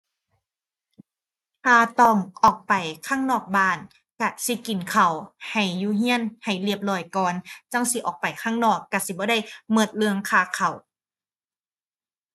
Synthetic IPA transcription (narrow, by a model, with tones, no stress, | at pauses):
t̪ʰaː˧˩t̪ɔː˧˩ŋʔɔː˨˩k̚pa˨˩jkʰaː˧˥˩ŋnɔː˧˩k̚baː˧˩n | ka˧˩si˧˦ki˨˩nkʰa˨˩wha˨˩jːuː˧˦ɦi˧˥˨ənha˨˩jli˧˩əp̚lɔː˧˩jkɔː˨˩nt͡ɕa˧˩˨ŋsi˧˦ʔɔ̰ː˨˩k̚pa˨˩jkʰaː˧˥˩ŋnɔː˧˩kːa˧˩si˧˦bɔː˧˦da˧˥˨jmɤ˧˩t̪̚lɯ˧əŋkʰaː˧˩kʰa˨˩w